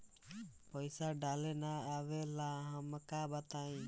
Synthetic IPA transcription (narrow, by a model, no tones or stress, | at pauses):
pɔjsaɖalɛnaːbɛlaɦaməkabat̪aj